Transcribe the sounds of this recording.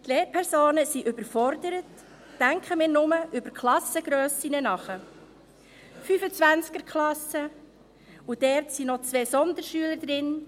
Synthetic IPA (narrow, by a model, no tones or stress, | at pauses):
tleːɾpʰɛɾsoːnəsiʔʏbəɾfɔɾdəɾətː | æŋkχəmɪːɾnʊməʔʏbəɾkχlɑsəɡ̥ɾœːsinənɑχə | fyfət͡sʋænt͡skəɾkʰχlɑsə | ud̥ɛɾtsinɔt͡sʋɛːsɔnd̪əɾʃyələɾd̥̪ɾɪn